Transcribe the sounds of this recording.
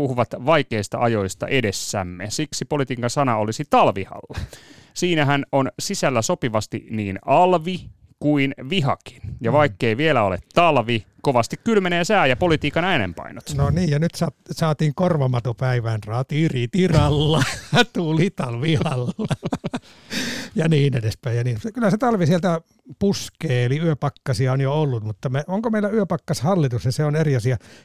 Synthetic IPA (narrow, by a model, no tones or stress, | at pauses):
puhuʋɑt̪ʋɑikeist̪ɑ̰ʔɑjo̞ist̪ɑ̰ʔedesːæ̰mːesiksipolit̪iːkːɑnsɑnɑolisit̪ɑlʋihɑ̰lːɑsiːnæɦænonsisælːæsopiʋɑst̪ḭniːnɑlʋi | kuinʋiɦɑ̰ki̥njɑʋɑikːeiʋielæolḛt̪ːɑlʋikoʋɑst̪ikkylmeneːsæːjɑpo̞lit̪iːkɑnæinḛmpɑ̰inot̪noniːjɑnyt̪sɑsɑːt̪iːŋkorʋɑmɑt̪opæiʋænsɑːt̪iːrit̪irɑlːɑt̪uːlit̪ɑlʋihɑlːɑ | jɑniːnedespæijjɑniːnsekylːæset̪ɑlʋisielt̪æ | puskeːeliyøpɑkːɑsiɑonjoolːut̪mut̪ːɑmeoŋkomeilæyøpɑkːɑshɑlːit̪usniseoneriɑsiɑ